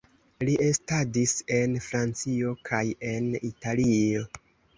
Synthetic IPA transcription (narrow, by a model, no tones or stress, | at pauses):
liʔestadise̞nfɾant͡sio̞kʰaje̞nitalio̞